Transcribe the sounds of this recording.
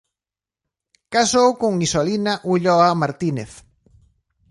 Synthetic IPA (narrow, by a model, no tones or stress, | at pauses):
kasowkoŋisolinaʔuʎɔamaɾt̪ineθ